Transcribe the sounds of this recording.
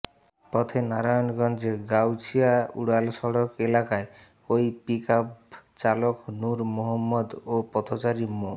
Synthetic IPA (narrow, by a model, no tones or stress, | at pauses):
pɔt̪ʰenaɾajɔnɡɔnd͡ʒeɡawt͡ʃʰiaṵɽalsɔɽɔkelakae | oipikapt͡ʃalɔknuɾmɔɦɔmːɔd̪opɔt̪ʰɔt͡ʃaɾimo